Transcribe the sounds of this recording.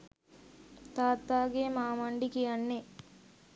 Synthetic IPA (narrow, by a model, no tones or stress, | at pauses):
t̪aːt̪ːaːɡemaːmɐɳɖikijanːe